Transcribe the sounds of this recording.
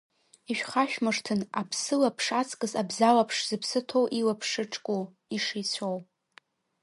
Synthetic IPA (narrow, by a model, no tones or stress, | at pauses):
iʃᶣχaʃᶣmɨʂtʰɨnapʰsɨlapʰʂat͡sʼkʼɨzabzawapʰʂz̥ɨpʰsɨtʰo̞wʔiwapʰʂɨʈ͡ʂʼkʼu | iʂejt͡sʷʰow